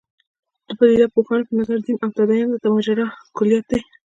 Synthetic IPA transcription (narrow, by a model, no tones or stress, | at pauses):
d̪̥əpad̪id̪apoxɑnopənazaɾd̪inawt̪ad̪ajɑnd̪ət̪amad͡ʒaɾakʊlijat̪̚d̪aj